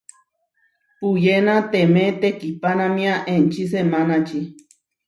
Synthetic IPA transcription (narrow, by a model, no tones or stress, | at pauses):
pujenat̪emẽt̪ekipanãmĩaʔent͡ʃis̬emanat͡ʃi